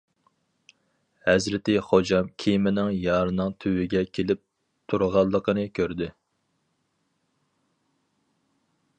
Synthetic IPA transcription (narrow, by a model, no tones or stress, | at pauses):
hɛzɾɪt̪ɪχod͡ʒɑmkʲʰijmɪnɪŋjɑːɾɨnɨŋt̪ʰywɪɡʲɛkʲʰelɪp̚ | t̪ʰuɾʁɑlˠːəqʰənɨkʲʰøɾd̪ɪ